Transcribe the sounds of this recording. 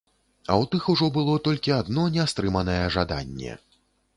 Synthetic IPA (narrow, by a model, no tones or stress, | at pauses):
ɐ̰wt̪ɨxuʐɔbɨlˠɔt̪ɔlʲkʲiad̪nɔnʲɛst̪ɾɨmɐnɐjɛʐad̪a̰nʲːɛ̰